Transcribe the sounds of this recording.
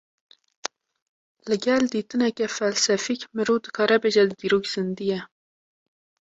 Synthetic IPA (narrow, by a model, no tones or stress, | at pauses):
lɨɡɛld̪iːt̪ɨnɛkʲɛfɛlsɛfikmɨɾuːd̪ɨkʰɑːɾɛbeʒɛd̪ɨd̪iːɾoːkz̥ɨnd̪ijɛ